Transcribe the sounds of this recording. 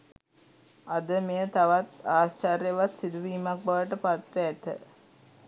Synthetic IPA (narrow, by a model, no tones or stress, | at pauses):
ad̪əmejət̪aʋat̪aːst͡ʃaɾjəʋat̪sid̪uʋiːmak̚baʋəʈəpat̪ʋəæt̪ə̰